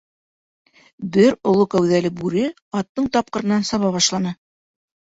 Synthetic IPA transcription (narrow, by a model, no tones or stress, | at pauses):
bɘɾŏlˠokæwðælɘbʉɾɘ | ɑt̪ːɤɴt̪ɑp̚qɤ̆ɾɤ̆nːɑnsɑβɑβɑʃlˠɑnɤ